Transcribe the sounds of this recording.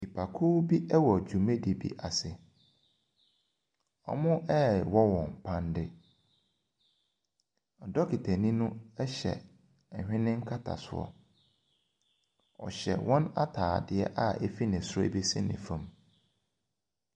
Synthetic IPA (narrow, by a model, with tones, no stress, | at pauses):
i˨pʰa˨kʰu˦bi˦ʔɛ˦wɔ˨d͡ʑu˨mẽ˦di˨bḭ˦˨ʔa˨sɪ˨ | ɔ̰˦mʊ̃˦ʔɛ˦˨wɔ˦wɔ̃˨m˨pʰã˦ndɪ˦ | ɔ˨dɔ˦kʰi˨tʰæ˨nĩ˦nʊ̃˦ɛ˦ɕɛ̰˨ | hᶣɪ̃˦nɪ̃˦ŋ̩˦kʰa˦tʰa̰˨sʊ̰˦ɔ̰˨ | ɔ̰˨ɕɛ̰˨wɔ̃˦na˦tʰaː˨dɪ˨ɛ̰˦ʔa˦˨ɛ˦fi˦nɪ̃˨sʊ˦ɔ̰˦˨bi˦sɪ̰˦nɪ̰̃˨fã˨m